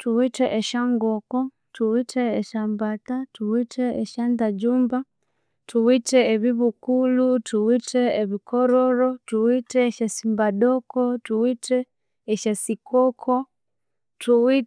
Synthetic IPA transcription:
tuwiteʔeʃaŋɡoko | tuwitʰeːʃambatatuwitʰeeʃandad͡ʒuːmba | tuwiteːβiβukulutʰuwitʰeːβikʰoɾoɾotuwiteːʃesimbaɗokotuwitʰeː | ʃesikʰokʰo | tuwi

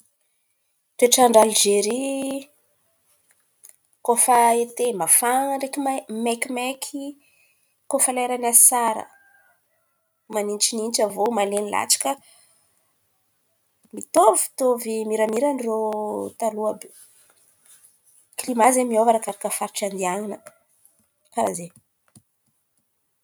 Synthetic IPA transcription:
t̪ueʈ͡ʂaɳɖ͡ʐald͡ʒeɾi | kofaet̪emafaŋɳɖ͡ʐekimmekʲimekʰi | kofaleɾanasaɾə̰ | manint͡ʃinint͡ʃəvomalenila̰t͡ʃḁkə | mit̪ovi̥t̪ovimiɾəmiɾanirot̪aluabi | klimazemiovaɾakaɾakəfaɾiʈ͡ʂand̪iaŋinə | kaɾaze

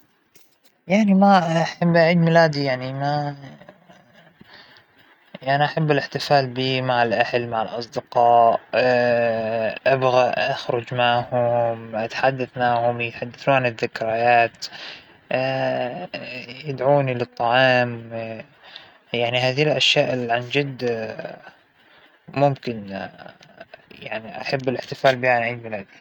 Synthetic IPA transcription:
jaʕnimaaħabːʔaʕiːd̪mɪlaːd̪ijaʕnima | ʔanaʔaħabːɪlɪħt̪ɪfaːlbiːmaʕɪlʔahalmaʕɪlʔɑsˤd̪ɪqɑːʔ | ʔabɣaʔaxɾˤʊd͡ʒmaʕhʊmʔat̪ħad̪ːaθmaʕhʊmjɪt̪ħad̪ːaθuːnʕanɪðːɪkɾˤajaːt̪ː | jɪd̪ʕuːnilɨt̪ˤːɑʕɑːm | jaʕniɦaːðilʔaʃjaːʔɪlʕand͡ʒɪd̪ː | mʊmkɪn | jaʕniʔa̰ħabːɪlɪħt̪ɪfaːlbiːanʕiːd̪milaːd̪i

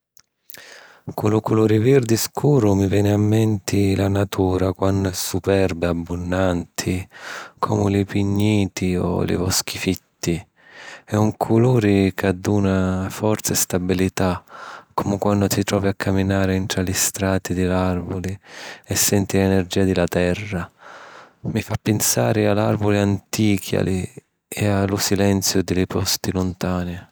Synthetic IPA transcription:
kʰulʊkuluːɾivird̪iskʰuːɾʊmivjɛːnɪamːɛnt̪ʰilanat̪ʰuːɾakwanːʊɛsupɛrbɪabːunːant̪ʰikʰɔ̰ːmʊlipiɲːiːt̪iɔ̰lɪ̰vɔsk̟ifit̪ʰːi | ɛuŋkʰuluːɾikad̪ːuːnafɔrt̪saɛst̪abilit̪akʰːɔmɪkwanːdʊt̪it̪ɾɔːviakʰːaminaːɾɪɛnt̪ɾalist̪ɾaːt̪id̪ɪlarvʊliɛsːɛnt̪ilɛnerd͡ʒiːad̪ɪlat̪ɛrːa | mifapːensa̰ːɾɪalarvʊliant̪iːkʰja̰li | ɛalʊsilɛnt̪sjʊd̪ɪlɪpʰɔst̪ilʊnt̪aːnɪ

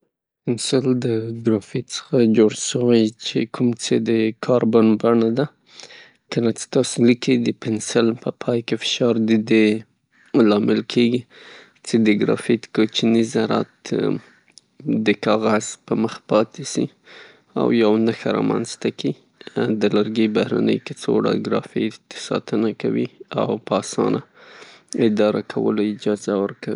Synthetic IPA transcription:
pɪnsɪld̪əɡɾɑfit̪t͡sə̥xad͡ʒoɽʃəwajt͡ʃekʰumt͡sed̪əkʰɑɾbanbaɳad̪a | kəlat͡se̥t̪ɑsolikid̪əpɪnsɪlpəpʰɑjkefɪ̥ʃɑɾd̪əd̪e | lɑmɪlkʰeɡi | t͡sed̪əɡɾɑ̰fit̪kot͡ʃnizaɾa̰t̪ | d̪əkɑɣaz̥pəməxpɑt̪esi | a̰wjawnəxaɾɑ̰ma̰nzt̪aki | d̪əlaɾɡejbahɾa̰nə̰jket͡so̰ɽa̰ɡɾɑ̰fit̪sɑ̰t̪ənakawia̰wpəɑsɑ̰nʔa | ɪd̪ɑɾakʰawə̰loɪd͡ʒɑzawəɾkawii

